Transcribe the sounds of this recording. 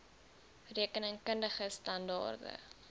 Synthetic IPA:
riəkənəŋkəndəχəstɐndɑ̰ːrdə̰

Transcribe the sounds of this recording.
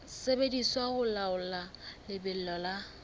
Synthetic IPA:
sebediswaɣʊlaʊlalɪbɪl̩lɔla

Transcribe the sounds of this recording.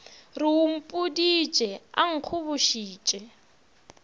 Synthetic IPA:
rium̩pʼudi̥t͡ʃʼɛa̰ŋ̩q͡χʰuβuʃiːt͡ʃʼɛ

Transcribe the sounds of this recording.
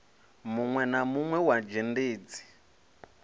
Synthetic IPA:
muŋwɛnamuŋwɛwad͡ʒendeːd͡zi̥

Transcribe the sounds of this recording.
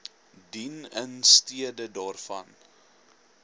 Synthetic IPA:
dinənstiədədɑːrfɐn

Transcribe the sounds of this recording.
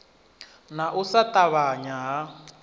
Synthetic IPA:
naʔusataβaɲaɦa

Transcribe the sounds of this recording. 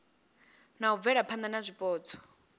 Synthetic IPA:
nauvɛɺapʰand̪anazʷipʼɔːtʰɔ̥

